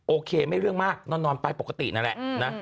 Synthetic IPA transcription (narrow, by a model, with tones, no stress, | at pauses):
ʔoː˧kʰeː˧ma˥˩jɾɯ˥˩əŋmaː˥˩k̚nɔː˥˩nɔː˧npa˧jpo˨˩kːa˧t̪ḭ˨˩ʔna˦˥nlɛ̰˨˩ʔna˦˥